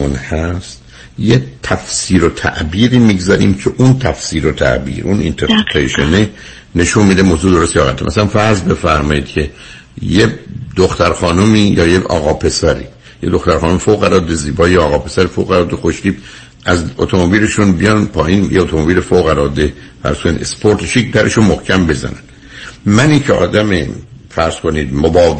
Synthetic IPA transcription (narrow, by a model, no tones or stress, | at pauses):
unhæst̪ | jet̪ʰæfsiːɾo̞t̪ʰæ̰ʔbiːɾiːmiːɡzæɾḭːmcʰeʔunt̪ʰæfsiːɾot̪ʰæ̰ʔbḭːɾunḭnt̪ʰeɾʰeʃeni | ne̞ʃunmiːd̪emozuːd̪oost̪ijɒːɣæt̪ʰːḛmʔæ̰sælænfæɾzbe̞fæɾmɒːjiːd̪cʰe̞ | jed̪oxt̪æɾxɒːnumiːjɒ̰ːjeɒ̰ːɣɒːpʰe̞sæɾḭː | jed̪o̞xt̪æɾχɒːnomfoæɾɒːd̪eziːbɒːjeɒːɣɒːpe̞sæɾifoæɾɒːd̪exoʃciːb | ʔæzo̰t̪ʰomobiːleʃunbijɒnpʰɒːinjeot̪ʰomobiːlefoɣæɾɒːd̪e | fæ̰ɾz̥kʰoninespʰoɾt̪ʰeʃikd̪æɾʔḛʃunmohcʰæmbe̞zæ̰næ̰n | mæniːncʰeɒ̰ːd̪æmḛfæɾz̥koniːd̪mobɒː